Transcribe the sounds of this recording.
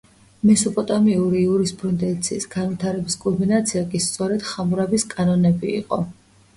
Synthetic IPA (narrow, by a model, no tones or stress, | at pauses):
mɛsɔpʼɔt̪ʼamiuɾiuɾispʼɾund̪ɛnt̪sʰiːsɡanvit̪ʰaɾɛbiskʼɔɾminat̪sʰiakʼist̪sʼɔɾɛd̪̥χamuɾabiskʼanɔnɛbḭːqʼɔ̰